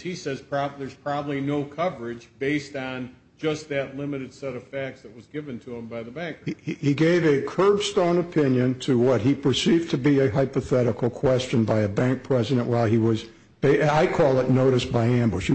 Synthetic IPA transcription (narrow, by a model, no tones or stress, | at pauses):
hisɛz̥pʰɹ̥ɑðə˞z̥pʰɹ̥ɑbəblinoʊkʰʌvə˞ɪd͡ʒbeɪstn̩ | d͡ʒʌst̪̚ðɨtˡlɪ̃mɨɾɨd̥sɛɾʌv̥fæk̚tsðɨt̚wʌzɡɪvɨ̃ntʰɨɪ̃mbaɪðəbæ̃ŋkhiɡeɪvɨkʰɜ˞b̥stõʊ̃nɨpʰɪ̃njɨ̃ntʰɨwʌt̚hipʰə˞sivtʰɨbiɨɦaɪpəθɛɾɨkl̩ˠkʰw̥ɛst͡ʃɨ̃nbaɪɨbæ̃ŋk̚pʰɹ̥ɛzɨɾɨ̃nʔwaɪlˠiwʌz | b̥eɪaɪkʰɔlˠətⁿnoʊɾɨsb̥aɪæ̃mbʊʃh